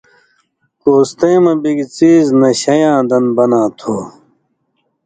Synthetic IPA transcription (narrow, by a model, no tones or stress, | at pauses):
koːst̪eːmɐbiɡit͡siːznɐɕɐjãːd̪ɐnbɐnaːt̪ʰoː